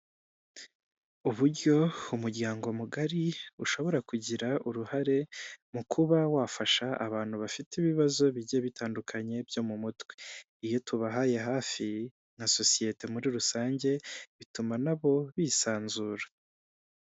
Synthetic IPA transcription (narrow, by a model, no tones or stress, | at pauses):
uβuɾɟo̞umuɾɟaːŋɡo̞muɡaɾiuʃo̞βo̞ɾakuɟiɾaʔuɾuhaɾe̞mukʰuβawafaʃaʔːβaːn̥huβafitiβiβazo̞βiɟeβitʰaːndukʰaɲe̞bjo̞mumutwe̥ | ijo̞tʰuβaɦaje̞ɦaːfi | naso̞sije̞te̞muɾiɾusaːɲɟe̞βitumanaβo̞βiːsaːnzuːɾḁ